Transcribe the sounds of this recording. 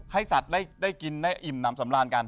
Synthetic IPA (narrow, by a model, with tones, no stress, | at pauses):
ha˥˩jsa˨˩t̪̚daː˥˩jdaː˥˩jki˧nːa˧˥˩jʔi˨˩mna˦˥msa˩˦mɾaː˧nka˧n